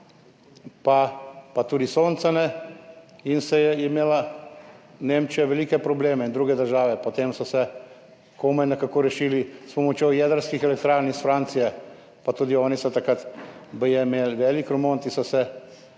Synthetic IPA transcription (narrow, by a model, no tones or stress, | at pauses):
papat̪uːd̪isoːnt̪sanɛ | insɛjɛimeːla | nemt͡ʃijɛʋɛliːkɛpɾɔbleːmɛind̪ɾuːɡɛd̪əɾʒaːʋɛpot̪eːmsɔsɛ | komɛjnɛkakoɾɛʃiːlispɔmot͡ʃjojɛːd̪əɾskixɛlɛk̚t̪ɾaːɾnisfɾaːnt̪sijɛ | pat̪uːd̪iɔːnisɔt̪akɾat̪bəjɛmeːlʋɛːlikɾomont̪isɔsɛ